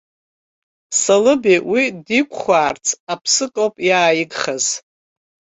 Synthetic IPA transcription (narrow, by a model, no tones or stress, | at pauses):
salɨbiwidikʷʰʼχʷaːrt͡sʰapʰsɨkʼowpʼjaːjɪɡχaz̥